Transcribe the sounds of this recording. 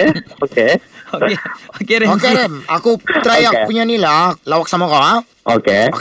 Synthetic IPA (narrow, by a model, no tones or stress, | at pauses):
okeokeokeɾeokeɾemakut̪ɾajakpuɲanilaklawak̚samakaa | ʔoke